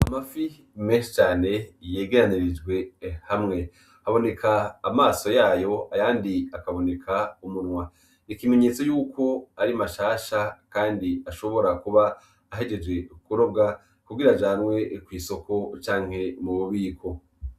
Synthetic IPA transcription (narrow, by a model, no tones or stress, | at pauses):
amafi | meʃet͡ʃaːne̞je̞ːɡeɾaniɾid͡ʒɡwe̞hamŋe̞ | haβo̞ne̞kʰaːmaːso̞jaːjo̞ajaːndiakaβo̞ne̞kʰaumunŋwa | nikime̞ɲe̞ːt͡so̞juːkʰo̞aɾimaʃaːʃakaːndiaʃo̞βo̞ɾakuβaː | ɦe̞ɡe̞d͡ʒwe̞kuɾo̞ɡa | kuɡiɾad͡ʒaːnwe̞kwiːso̞ko̞t͡ʃaːŋhe̞muβoβiːkʰo̞